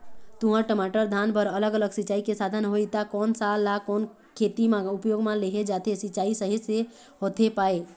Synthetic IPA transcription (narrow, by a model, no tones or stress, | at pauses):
t̪uɦə̃ʈəmaʈəɾd̪ʱanbəɾələɡələɡsɪt͡ʃaːikesad̪ʱənɦoit̪akɔːnsalːakɔːn | kʰet̪imãupjoːɡmãleɦed͡ʒat̪esɪt͡ʃaisəɦise | ɦot̪ʰepae